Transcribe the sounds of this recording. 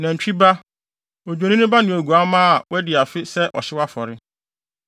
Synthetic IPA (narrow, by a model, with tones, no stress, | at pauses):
nã˨ɲ̩˨t͡ɕᶣi˦ba˦ | o˨d͡ʑᶣo˨nĩ˦nʊ̃˦ba˦nɪ̃˨o˨ɡu˨a˦mãː˦˨wɛ˦dɪ˨a˨fɪ˦sɛ˦ʔɔ̰˨ɕɪ˦wa˦fɔ˨ɾɪ˦